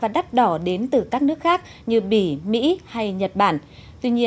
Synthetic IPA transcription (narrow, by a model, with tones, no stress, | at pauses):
vaː˨˩ɗa˦˥t̚ɗɔ˧˩ɗe˨˦nt̪ɨ˨˩kaː˦˥k̚nɨ˦˥ək̚xaː˦˥k̚ | ɲɨ˧ɓḭ˧˩mḭ˧˥ha˧jɲə˨˩t̚ɓa̰ː˧˩n | t̪wi˧ɲi˧ə